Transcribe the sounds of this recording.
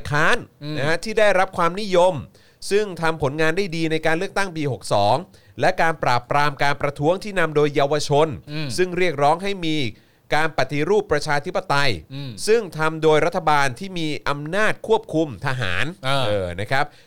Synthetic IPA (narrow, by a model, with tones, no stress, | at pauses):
jkʰaː˦˥nna˦˥kʰa˦˥t̪ʰiː˥˩daː˥˩jɾa˦˥p̚kʰwaː˧mni˦˥jo˧m | sɯ˥˩ŋt̪ʰa˧mpʰo˩˦nŋaː˧nda˥˩jdiː˧na˧jkaː˧nlɯ˥˩k̚t̪a˥˩ŋpiː˧ho˨˩k̚sɔː˩˦ŋ | lɛ˦˥kaː˧npɾaː˨˩pɾaː˧mkaː˧npɾa˧t̪ʰu˦˥əŋt̪ʰiː˥˩na˧mdoː˧jːa˧wa˧t͡ɕʰo˧nsɯ˥˩ŋɾi˥˩ək̚ɾɔː˦˥ŋɦa˥˩jmiː˧ | kaː˧npa˨˩t̪ːi˧ɾuː˥˩pːɾa˧t͡ɕʰaː˧t̪ʰi˦˥pːa˧t̪a˧jsɯ˥˩ŋt̪ʰa˧mdoː˧jɾa˦˥t̪ʰːa˧baː˧nt̪ʰiː˥˩miː˧ʔa˧mnaː˥˩t̪̚kʰu˥˩əp̚kʰu˧mt̪ʰa˧ɦa̰ː˩˦n˧ɤː˧˩na˦˥kʰɾa˦˥p̚